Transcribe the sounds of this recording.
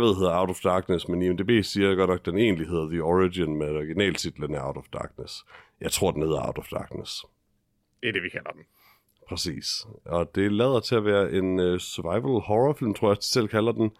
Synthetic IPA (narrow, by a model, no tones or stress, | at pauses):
ʋe̝ðˠɦeðˠɐɑ̈ʊt͡sɒfd̥ɑ̈ːɡ̥nəsmeniemd̥e̝b̥e̝̰ːiːɐɡ̥ɒ̥nɒ̽ɡ̥̚d̥ene̝̰ːnlihe̝ð̞̰ˠɐðiɒʁiɡinmeɒɡ̥inɛ̰ːlt͡sʰid̥lənæɑ̈ʊd̥ɒfd̥ɑ̈ːɡ̥nəsjɑ̈ɪt͡sʰʁo̝ɐ̰d̥enhe̝ðˠɐɑ̈ʊd̥ɒfd̥ɑ̰̈ːɡ̥nəs | d̥eæɐd̥e̝ʋikʰælɐd̥m | pʰʁɛsḭːsɒ̽d̥e̝lɛːð̞ˠɐt͡sʰe̝æʋæːɐʔe̝nøsœɐʋɑ̈ɪʋəlhɒʁɒfilmt͡sʰʁo̝ɐ̰j̥sel̰kʰælɐd̥en